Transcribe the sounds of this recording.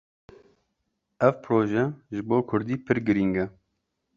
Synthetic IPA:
ɛvpʰɾoːʒɛʒɪboːkʰʊɾd̪iːpʰɨɾɡɨɾiːŋɡɛ

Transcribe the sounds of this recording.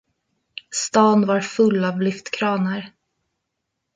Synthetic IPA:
st̪ɑːnvaɾfɵlːavlʏft̪kʰɾɑːnəɾ

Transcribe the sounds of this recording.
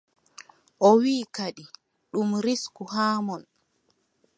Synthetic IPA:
ʔɔwiːkaɗi | ɗumɾiskuhaːmɔn

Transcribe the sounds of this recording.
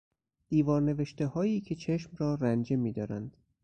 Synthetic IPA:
d̪̥iːvɒːɾne̞ve̞ʃt̪e̞hɒːjiːcʰe̞t͡ʃʰe̞ʃmrɒːɾænd͡ʒe̞miːd̪ɒːɾænd̪̥

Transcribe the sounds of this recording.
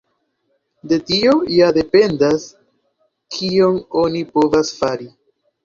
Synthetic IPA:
de̞tio̞jade̞pe̞ndas | kʰio̞ŋo̞nipo̞vasfaɾi

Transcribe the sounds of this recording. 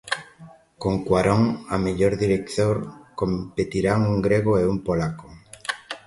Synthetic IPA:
koŋkwaɾoŋameʎoɾðiɾek̚θt̪oɾkompet̪iɾaŋuŋɡɾeɣoeumpolako̥

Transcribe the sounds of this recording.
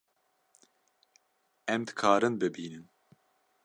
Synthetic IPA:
ɛmd̪ɨ̥kʰɑːɾɨnbɨbiːnɨn

